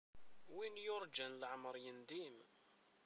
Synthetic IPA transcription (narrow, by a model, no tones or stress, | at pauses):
winjʊɾˤd͡ʒænləʕməɾˤjənd̪im